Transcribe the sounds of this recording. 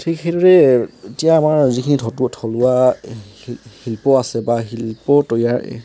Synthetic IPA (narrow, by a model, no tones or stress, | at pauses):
tʰikhedɔɹɛetijaːmaɹzikʰinidʱɔtuɔtʰɔlʊwa | hilpɔasɛbaɦilpɔtɔjaɹ̰